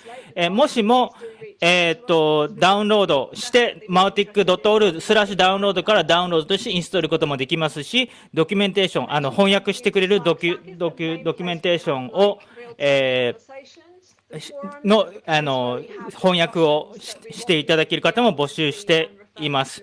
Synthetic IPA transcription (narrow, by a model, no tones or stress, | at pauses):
emo̞ɕimo̞eːt̪ːo̞d̪aɯ̟̃nɾo̞ːd̪o̞ɕi̥t̪e̞maɯ̟t̪ikːɯ̟d̪o̞t̪ːooɾɯ̟d̪sɨɾaɕɨd̪aɯ̟̃nɾo̞ːd̪o̞kaɾad̪aɯ̃ɾo̞ːd̪ot̪o̞ɕit̪eĩɰ̃sɨ̥t̪oɾɯ̟ko̞t̪o̞mo̞d̪e̞kʲimasɨɕi | d̪o̞kʲɯmẽ̞nt̪eɕõ̞ʔano̞hõ̞ɰ̃jakɯ̟ɕi̥t̪e̞kɯ̟ɾe̞ɾɯ̟d̪okʲd̪okʲd̪o̞kʲymẽ̞nt̪eːɕõ̞ɴ̃o̞eː | no̞ano̞hõ̞ɰ̃jakɯ̟o̞̥ɕi̥t̪e̞it̪ad̪ake̞ɾɯ̟kat̪amo̞bo̞ɕɨːɕi̥t̪e̞ | imasɨ̥